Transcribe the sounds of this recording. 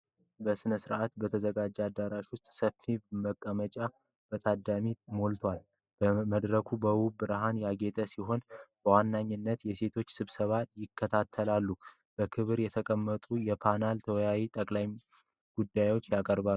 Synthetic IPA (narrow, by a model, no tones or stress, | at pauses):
bəsɨnəsɨɾʔat̪bət̪ʰəzəɡad͡ʒːɛad̪ːaɾaʃwʊst̪ʼsəfːiməkʼːəmət͡ʃʼa | b̥ət̪ʼʰad̪ːamimo̞lt̪ʰwal | b̥əməd̪ɾəkʰubəwubɨɾaɦanjaɡe̞t̪ʼəsiɦo̞nb̥əwanːaɲːɪnːət̪jɛse̞t̪ʰo̞t͡ʃːsɨβsəβajɪkʰːət̪ʰat̪ʰːəlalːu | b̥əkʰɨβɨɾjɛt̪ʰəkʼəmːət̪ʼujɛpʰanalt̪ʰəwjawit̪ʼəkʼlaj | ɡ̥ud̪ːajwo̞t͡ʃːjakʼəɾba